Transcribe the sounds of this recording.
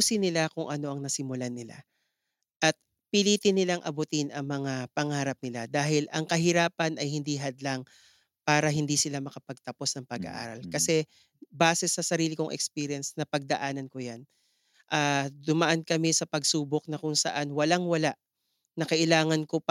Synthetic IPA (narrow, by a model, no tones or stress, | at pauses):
sɪnɪlakʊŋʔɐno̞ʔɐŋnɐsɪmʊlanɪla̰ | ʔɐt̪̚ | pɪliːt̪ɪnɪlaŋʔɐ̰bʊt̪ɪnʔɐŋmɐŋapɐŋaːɾɐp̚nɪlad̪aːhɪlʔɐŋkɐɦɪɾaːpɐnʔɐjhɪnd̪iɦɐd̪laŋ | paːɾɐɦɪnd̪isɪlamɐkɐpɐɡ̚t̪ɐpo̞snɐŋpɐɡɐ̰ʔa̰ːɾɐlkɐsɛ | baːsɛsɐsɐɾiːlɪkoŋʔɛ̰kspiːɾjɐnsnɐpɐɡ̚d̪ɐʔaːnɐnkojan | ʔaːd̪ʊmɐʔɐnkɐmɛsɐpɐɡsuːbok̚nɐkʊŋsɐ̰ʔanwɐlaŋwɐlaʔ | nɐkɐʔɪlaːŋɐnko̞